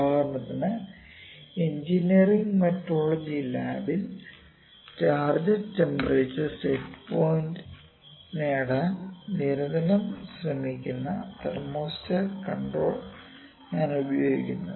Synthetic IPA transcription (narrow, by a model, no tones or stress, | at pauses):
aːɣunːɐt̪ːinɨ | eɲd͡ʑiniɐriŋɡmɐtːoːɭːɐd͡ʑilaːbil | t͡ɕaːrd͡ʑɐtembɐret͡ɕːɐstetːpoːjndɨ | neːɽaːnniɾɐðɐnɐmsrɐmikʲːunːɐt̪ɐrmoːstɨkɐɳɖroːɭ | ɲaːnubɐjo̞ːɡḭkʲːunːɐ